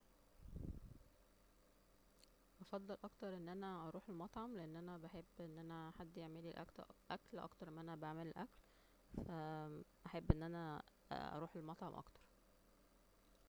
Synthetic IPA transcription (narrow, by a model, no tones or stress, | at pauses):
ʔɑfɑd̪ˤːelʔɑkt̪ɑɾˤʔenːʔænæʔɑɾˤuːħelmɑt̪ˤʕɑmleʔenːʔænæbeħebːʔenːʔænæħad̪ːjeʕmeliʔæ̰kʔæklʔɑ̰kt̪ɑɾˤʔemːʔænæbeʕmelelʔækl | fæʔæħebːʔenːʔænæ | ʔɑ̰ɾˤuːħelmɑt̪ˤʕɑmʔɑ̰kt̪ɑ̥ɾˤ